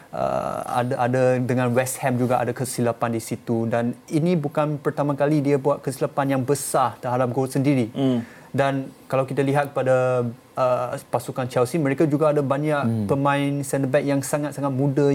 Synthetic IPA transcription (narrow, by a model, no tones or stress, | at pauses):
ə̰a̰daʔa̰dadəŋãnwɛsthɛmd͡ʒuɡaʔa̰dakəsilapandisit̪udaninĩbukanpərt̪amãkalidiabuat̪̚kəsilapanjaŋbəsaht̪əɦadap̚ɡousəndiɾi | dankalawkit̪aliɦat̪̚kə̥pada | əpasukant͡ʃɛlsimə̃ɾekad͡ʒuɡaːdabaɲaʔpəmãɪnsɛnd̪əbɛk̚jaŋsaŋat̪̚saŋat̪̚mũda